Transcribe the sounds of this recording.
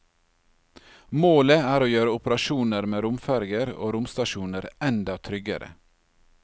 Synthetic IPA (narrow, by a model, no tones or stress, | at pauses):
moːləæːɾoːjøːɾəʊpəɾɑʃuːnəɾmeːɾʊmfæɾɡəɾo̰ːɾʊmst̪ɑʃuːnəɾɛnd̪ɑt̪ʰɾʏɡə̰ɾə̰